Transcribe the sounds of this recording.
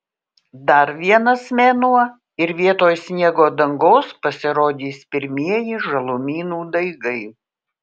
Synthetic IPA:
d̪ɐɾʋʲiɛnɐsmʲeːnuɔ | ɪɾʋʲiɛt̪oːjsʲnʲiɛɡoːd̪ɐŋɡoːspɐsʲɪɾoːd̪ʲiːspʲɪɾʲmʲiɛjɪʒɐlˠʊmʲiːnuːd̪ɐɪɡɐɪ

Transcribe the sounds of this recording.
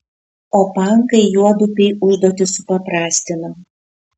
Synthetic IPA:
oːpɐˑŋˑkɐɪjuɔd̪ʊpʲɛɪʊʒd̪oːt̪ʲɪsʊpɐpɾɑːsʲt̪ʲɪnɐ

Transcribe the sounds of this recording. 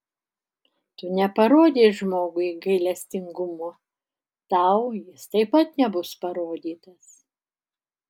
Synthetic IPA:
t̪ʊnʲɛpɐɾoːd̪ʲeːʒmoːɡʊiɡɐɪlʲɛsʲt̪ʲɪŋɡʊmo | t̪ɐʊjɪst̪ɐɪpɐt̪nʲɛbʊspɐɾoːd̪ʲiːt̪ɐs

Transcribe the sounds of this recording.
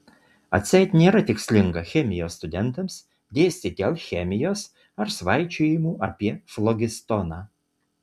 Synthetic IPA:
ɐ̰t̪ʲsʲɛjt̪ʲnʲeːɾɐt̪ʲɪksʲlʲɪŋɡɐxʲɛmʲɪjoːst̪ʊd̪ʲɛnt̪ɐms | d̪ʲejsʲt̪ʲɪt̪ʲɛlʲˠxʲɛmʲɪjoːs | ɐɾsʋɑjt͡ʃʲʊjɪmuʔɐpʲiɛflˠɔɡʲɪst̪ɔnɐ

